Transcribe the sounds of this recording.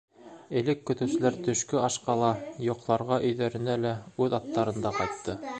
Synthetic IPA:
ɘ̆lɘkːɵ̆t̪ɘ̆wsɘ̆læɾt̪ɵ̆ʃkɵɑʃqɑlˠɑjŏqlˠɑɾʁɑʔɵ̆jðæɾɘ̆nælæʉðɑt̪ːɑɾɤ̆nd̪ɑqɑjt̪ːɤ

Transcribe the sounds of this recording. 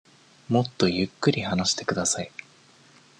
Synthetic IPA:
mo̞t̪ːo̞jɯ̟kːɯ̟ɾʲihanaɕi̥t̪e̞kɯ̟d̪asai

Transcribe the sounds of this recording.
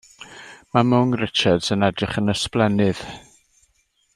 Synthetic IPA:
mamʊŋrɪt͡ʃad̥sənɛdrɪχənəsplɛnɨð̥

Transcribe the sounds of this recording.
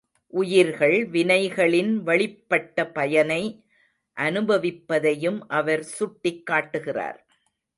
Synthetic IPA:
ʔʊjɪɾɣɐɭʋɪnɐɪɣɐɭɪnʋɐɭɪpːɐʈːɐpɐjɐnɐɪ | ʔɐnɯbɐʋɪpːɐðɐjɯmʔɐʋɐɾsʊʈːɪkːaːʈːɯɣɪra̰ːɾ

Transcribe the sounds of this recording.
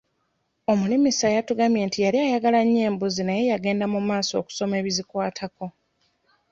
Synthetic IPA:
o̞mulimisajatuɡamje̞ːntijaɾiajaɡalaɲːe̞ːmbuzinaje̞jaɡe̞ːndamumaːso̞̰ːku̥so̞me̞ːβizikwaːtʰako̞

